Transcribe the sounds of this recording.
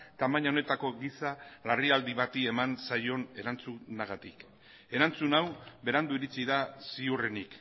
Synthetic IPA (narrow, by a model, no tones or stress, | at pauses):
t̪amaɲaone̞t̪ako̞ɣisalariald̪iβat̪ie̞mansajo̞ne̞ɾant͡sunaɣ̞at̪ik | e̞ɾant͡sunawbe̞ɾand̪uiɾit͡siðasiure̞nik